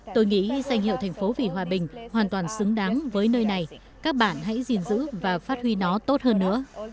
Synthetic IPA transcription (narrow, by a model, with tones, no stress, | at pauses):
t̪o˧jŋḭ˧˥˧sa˧jŋ̟hḭ˧˨wt̪ʰjŋ̟fo˨˦vi˨˩ɦwaː˨˩ɓï˨˩ŋ̟hwaː˨˩nt̪waː˨˩nsɨ˨˦ŋɗa˨˦ŋvəː˨˦jnəː˧jna˨˩j | kaː˦˥k̚ɓa̰ː˧˨nɦa̰˧˥jzi˨˩nzɨ̰˧˥vaː˨˩faː˦˥t̚hwi˧nɔ˨˦t̪o˦˥t̚həː˧nːɨ̰˧˥ə